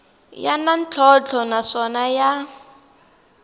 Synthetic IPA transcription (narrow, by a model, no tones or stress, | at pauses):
ja̰nant͡ɬʰɔt͡ɬʰɔnaʂɔnaja